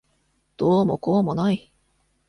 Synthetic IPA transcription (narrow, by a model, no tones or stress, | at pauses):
d̪̥oːmokoːmo̞nai